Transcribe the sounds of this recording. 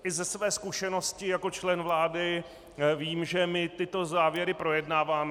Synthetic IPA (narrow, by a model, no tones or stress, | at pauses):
ʔɪzɛsvɛːskuʃɛno̞scɪjako̞t͡ʃlɛnvlaːdɪ | viːmʒɛmɪt̪ɪt̪o̞zaːvjɛɾɪpɾo̞jɛdnaːvaːm